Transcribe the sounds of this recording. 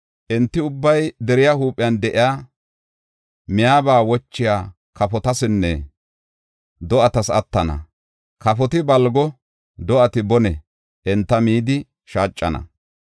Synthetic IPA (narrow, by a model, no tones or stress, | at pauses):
ʔɛnt̪ːɪʊbːɐjd̪ɛɾɪjahuːpʼːɪjand̪ɛʔɪjaː | mɪjaːbaːwɔt͡ʃːɪjaː | kɐfɔt̪ɐsɪnːɛ̰ | d̪ɔʔɐt̪ɐsɐ̰t̪ːɐnɐ̰ | kɐfɔt̪ɪbɐlɡɔ | d̪ɔʔɐt̪ɪbɔnɛ | ʔɛnt̪ːɐmiːd̪ɪ | ʃaːt͡ʃʼːɐnɐ̰